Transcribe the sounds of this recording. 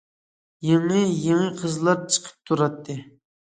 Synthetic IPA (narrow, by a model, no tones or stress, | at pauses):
jeɴəjeɴəqʰəzlˠɑɾt͡ʃʰə̥qʰə̥p̚t̪ʰuɾɑt̪ʰːɨ